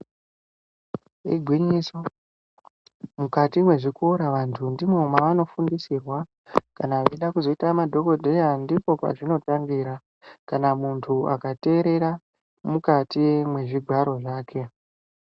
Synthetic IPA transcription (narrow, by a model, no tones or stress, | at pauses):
ḭɡʱwiɲiso̞ | mukatimwe̞ʐiko̞ɾaʋantʰundimweumaʋano̞fundisirwa | kanaʋeɗakuzo̞itamadʱo̞ɡo̞dʱe̞jandipo̞kwa̰ʐino̞taŋɡiːɾa | kanamuntʰua̰kate̞ːɾe̞ɾa | mukatimwe̞ʐiɡʱwaɾo̞ʐaːkʰe̞